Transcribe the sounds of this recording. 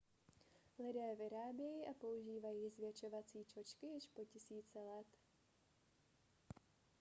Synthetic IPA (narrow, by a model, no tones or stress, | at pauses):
lɪdɛːvɪɾaːbjɛjiːʔapo̞uʒiːvajiːzvjɛt͡ʃo̞vat͡siːt͡ʃo̞t͡ʃkɪjɪʃpo̞cɪsiːt͡sɛlɛt̪